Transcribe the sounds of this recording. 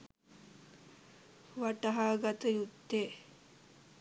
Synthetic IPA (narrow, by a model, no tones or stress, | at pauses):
ʋaʈɐɦaːɡat̪əjut̪ːe